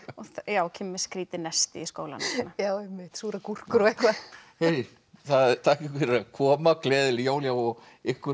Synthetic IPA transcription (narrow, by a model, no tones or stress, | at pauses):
ɔθjaːwcʰɪmːɪskɾiːt̪ɪnɛst̪ɪiskoːwla̰nnajaːwɛmɪht̪suːɾakur̥kʏɾɔɛkvaheːj | θaðt̪ʰaːhcɪkvɛɾɪɾakʰɔːmakʰlɛːðɪljoːwljawɔɣ | ɪhkʏ